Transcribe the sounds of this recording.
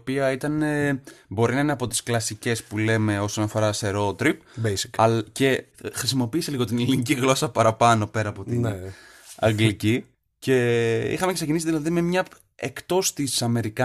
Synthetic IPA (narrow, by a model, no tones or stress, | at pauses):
piɐit̪ɐnebo̞ɾinɐineɐpo̞t̪i̥sklɐsice̞spule̞me̞o̞so̞nɐfo̞ɾɐst̪e̞ɾo̞t̪ɾip̚besi̥kɐce̞xɾisimo̞piːse̞liɣo̞t̪ineliniciɣlo̞sɐpɐɾɐpɐno̞pe̞ɾɐːpo̞t̪in | ɐ̰ŋɡlici | ce̞ḭxɐme̞ceksecinisiðilɐðime̞mɲɐ | ekt̪o̞st̪isɐme̞ɾikɐ